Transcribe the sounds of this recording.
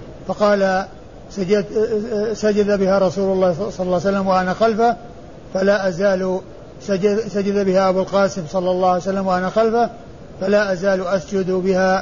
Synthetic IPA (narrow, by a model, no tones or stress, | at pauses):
fɑqɑːla | saa | sad͡ʒad̪abɪhaɾˤɑsuːlʊlˤːɑːhsˤɑlːɑˤlːɑːjsalːamwɪʔanaxalfa | falaʔazaːl | sad͡ʒsad͡ʒad̪abɪhaʔabulqɑːsɪmsˤɑlːɑlˤːɑːʕajsalːamwɪʔanaxalfa | falaːʔazaːlʔasd͡ʒʊd̪bɪha